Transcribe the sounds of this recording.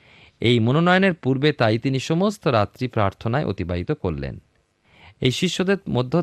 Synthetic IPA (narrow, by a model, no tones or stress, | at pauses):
ejmononɔjoneɾpuɾbet̪ajt̪iniʃɔmost̪oɾat̪ɾipɾaɾt̪ʰonaeʔo̰t̪ibaɦit̪okoɾlḛn | ejʃiʃːod̪eɾmod̪ʱːo